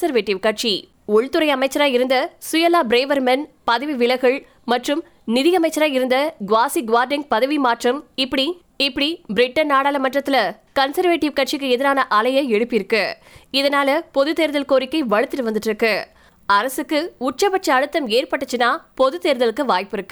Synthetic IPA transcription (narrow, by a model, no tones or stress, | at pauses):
sɐɾʋeːʈːɪʋkɐʈ̚t͡ʃi | ʊɭt̪ɯɾɐɪɐmɐɪt͡ʃːɐɾaːjɪɾɯnd̪ɐsʊjɐlaːbɾeːʋɐɾmɐnpɐðɐʋiʋɪɭɐɪɣɐɭ | mɐʈrɯm | nɪðɪjɐmɐɪt͡ʃːɐɾaːɪɾɯnd̪ɐɡʋaːsiɡʋaːɾɖɐŋpɐðɐʋimaːʈrɐmɪpːɐɽi | ɪpːɐɽibɪɾɪʈːɐnnːaːɽaːlɐmɐʈrɐt̪ːɪlɐ | kɐnsɐɾʋeːʈːɪʋkɐʈ̚t͡ʃɪkːɯɛðɪɾaːnɐʔɐlɐjɐɛɽɯpːɪɾɯkːɯ | ɪðɐnaːlɐpɔðɯt̪eːɾɯðɐlkoːɾɪkːɐɪʋɐɻɯt̪ːɪɾɯʋɐnd̪ɯʈːɾɯkːɯ | ɐɾɐsɯkːɯʊʈ̚t͡ʃɐpɐʈ̚t͡ʃːɐɐɽɯt̪ːɐmeːrpɐʈːɐt͡ʃːɯnːaːpɔðɯt̪eːɾɯðɐlɯkːɯʋaːjpɪɾɯkːɯ